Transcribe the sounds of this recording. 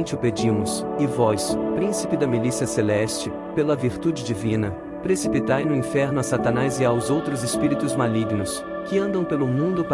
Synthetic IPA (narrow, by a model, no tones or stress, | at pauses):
t͡ʃɪʊped͡ʒĩmʊsɪvɔspɾĩsipɪd̪ɐmilisiɐselɛst͡ʃɪ | pelɐviɾt̪ud͡ʒɪd͡ʒivĩnɐ | pɾesipit̪ajnʊĩfɛɾnʊasat̪ɐ̃nazɪawzowt̪ɾʊzespiɾit̪ʊzmaliɡnʊs | kɪɐ̃nd̪ɐ̃w̃pelʊmũnd̪ʊp